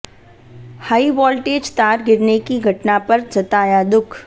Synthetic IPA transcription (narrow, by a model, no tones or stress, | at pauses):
haːiʋɔːlʈeːd͡ʒt̪aːɾɡɪɾnekiɡʱɐʈnapɐɾd͡ʒɐt̪aːjad̪ʊkʰ